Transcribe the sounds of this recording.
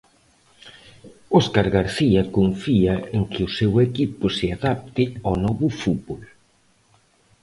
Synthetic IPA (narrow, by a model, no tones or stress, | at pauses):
ɔskaɾɣaɾθiɐkoɱfiɐeŋkɪʊsewekipʊsɪaðap̚t̪ɪanɔβʊfut̪βol